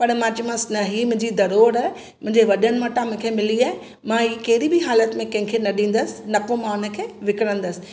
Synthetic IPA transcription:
pɐɽmãt͡ɕɪmə̃snɐɦimʊ̃ɦɪ̃ɲd͡ʑid̪ɐɾoːɾ | mʊ̃ɦɪ̃ɲd͡ʑeʋɐɗənɪ̆mãʈãmʊ̃ɦkʰemɪliaːɦɪ | mãiːkɐɦɪɾibɪɦaːlət̪mẽkɐ̃ɦɪ̃kʰenɐɗĩːn̆d̪əsɪ̥nɐkomãːʊnə̆kʰeːʋɪkɪɾə̃nd̪əsɪ̥̆

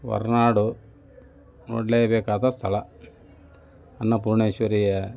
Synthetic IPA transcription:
ʋɐ̰ɾnaːɽu | ʋɔ̰ɖlejɐbɛːkaːt̪ɐst̪ʰɐɭɐ | ɐnːɐpuɾɳeːʃʋɐɾijɐ

